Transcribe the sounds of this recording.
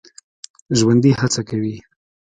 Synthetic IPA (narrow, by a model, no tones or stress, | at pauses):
ʒwand̪ihat͡sakawi